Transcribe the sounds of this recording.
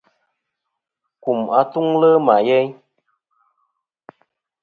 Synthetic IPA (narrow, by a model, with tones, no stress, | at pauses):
ku˨ma˨tu˦ŋlə˦ma˨jɛ˦ɲ